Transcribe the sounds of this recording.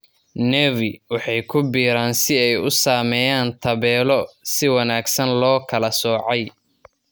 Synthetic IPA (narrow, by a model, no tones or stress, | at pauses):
nɛwɪwɑħɑjkʰʊbiːɾaːnsɪɛjʊsaːmɛjaːnt̪ʰɐβɛːlɔsɪwɑnaːɡsɐnlɔːkʰɐlɐsɔːʕɑj